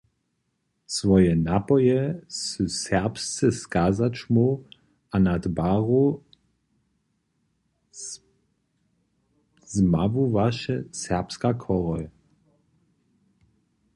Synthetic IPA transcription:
svɔjɛnapɔjɛsusɛʁpst͡sɛskaːzat͡ʃmu | anad̪baʁu | zmavuvaʃɛsɛʁpskakʰɔʁɔj

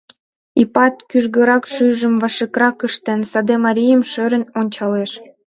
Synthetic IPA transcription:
ipɑt̪kyʒɣə̆ɾɑkʃyʒə̆mvɑʃekɾɑkəʃt̪ĕnsɑd̪emɑɾʲijəmʃøɾə̆nonʲt͡ɕɑleʃ

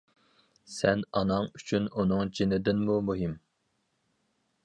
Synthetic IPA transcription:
sɛnɑnɑŋyt͡ʃʰynunɨŋd͡ʒinɪd̪ɪnmumuɦim

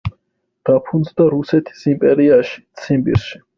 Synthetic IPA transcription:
d̪̥apʰund̪zd̪aɾusɛt̪ʰi̥simpʼɛɾiaʃi̥t̪sʰimbḭɾʃi̥

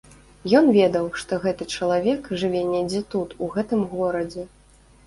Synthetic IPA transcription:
jɔnvʲɛd̪ɐwʂt̪ɔɣɛt̪ɨt͡ʂɐlˠavʲɛkʐɨvʲɛnʲɛjd͡zʲɛt̪ut̪uɣɛt̪ɨmɣɔɾɐd͡zʲɛ

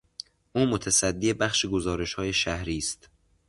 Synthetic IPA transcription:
ʔuːmot̪ʰæsæd̪ːiːebæχʃeɡozɒːɾe̞ʃhɒːje̞ʃæhɾiːst̪

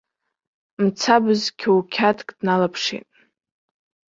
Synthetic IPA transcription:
mt͡sʰabɨzkʲʰowkʲʰatʰʼkʼd̥nalapʰʂḭtʼ

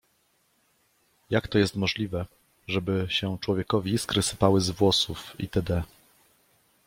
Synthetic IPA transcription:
jakt̪ɔjɛst̪mɔʐlʲivɛ | ʐɛbɘɕɛt͡ʂwɔvʲjɛkɔvʲiskɾɘsɘ̥pawɘzvwɔsufḭt̪ɛd̪ɛ

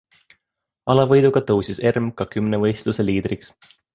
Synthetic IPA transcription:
ɑlɑvɤjd̪uɡ̥ɑt̪ɤwsise̞rmkɑkymnevɤ̞jst̪luse̞liːd̪̥riks

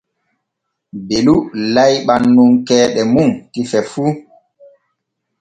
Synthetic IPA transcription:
belulajɓanːuŋkɛːɗɛmuntifɛfu

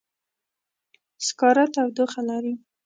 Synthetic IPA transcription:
skɑɾat̪awd̪oxalɑɾi

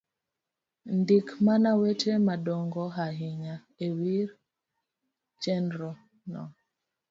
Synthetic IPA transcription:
ndikmanawetʰemadɔŋɡɔɦaɦiɲa | ewiɾ | t͡ʃɛndɾɔ | nɔ̰

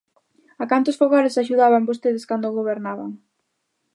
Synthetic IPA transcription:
akant̪ʊsfoɣaɾɪsaʃ̬uðaβambost̪eð̞eskand̪oɣoβ̞eɾnaβa̰ŋ

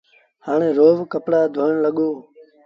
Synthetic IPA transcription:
haːɳẽːɾoːʋkəpɽaːd̪ʱoːəɳləɠoː

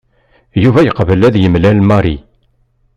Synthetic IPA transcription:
juvæjəqvəlæðjəmlælmɑɾˤi

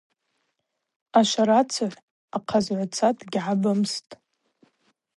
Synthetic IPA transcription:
aʃʷaɾat͡sʰaʕʷ | aqʰazʕʷat͡sʰatʼʰɡʲʕabamstʼ

